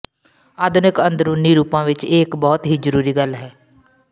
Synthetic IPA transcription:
aːd̪ʊnɪkənd̪ɾuniːɾuːpãːʋɪt͡ʃɪːkbɔːt̪ɦiːzəɾuːɾiːɡəlɦɛː

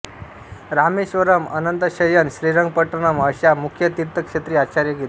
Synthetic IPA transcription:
ɾameɕʋəɾəmə̰nənt̪əɕəjənɕɾiɾəŋɡ̚pəʈənəməɕjamukʰjət̪iɾt̪əkʂet̪ɾiːat͡ɕaɾjəɡet̪

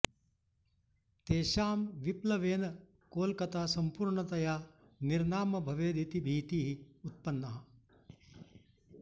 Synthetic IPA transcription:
t̪eːʃaːmʋiplɐʋeːnɐ | koːlkɐt̪aːsɐmpuːɾɳɐt̪ɐjaː | niɾnaːmɐbʱɐʋeːd̪it̪ibʱiːt̪iːɦiut̪̚pɐnːɐɦɐ

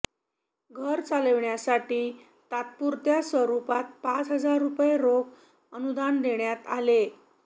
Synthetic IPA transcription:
ɡʱəɾt͡saləʋɳjasaʈiː | t̪at̪̚puɾt̪jasʋəɾupat̪̚pat͡sɦəd͡zaɾːupjeɾok | ənud̪and̪eɳjat̪ale

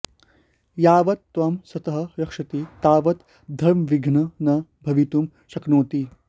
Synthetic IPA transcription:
jaːʋɐt̪ːʋaːmsɐt̪ɐɦɐɾɐkʂɐt̪it̪aːʋɐt̪ | d̪ʱɐɾmɐʋiɡʱnɐnɐbʱɐʋit̪um | ʃɐknoːt̪i

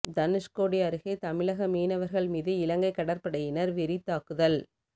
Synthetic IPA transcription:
d̪ɐnɪskoːɽɪjɐɾɯɣet̪ɐmɪɭɐɣɐmiːnɐʋɐɾɣɐɭmiːðɯɪlɐŋɡɐɪkːɐɽɐɾpɐɽɐjɪnɐɾʋɪɾɪt̪ːaːkɯðɐl

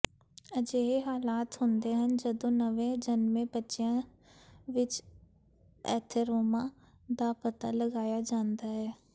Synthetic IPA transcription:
əd͡ʒeːɦeɦaːlaːt̪ɦʊ̃nd̪eːɦənd͡ʒəd̪õːnəʋẽd͡ʒənmẽbətːʃjã | ʋɪt͡ʃ | ɛ̰ːt̪ʰəɾoːmã | d̪aːpət̪aːləɡaːjad͡ʒãːnd̪aːɦɛː

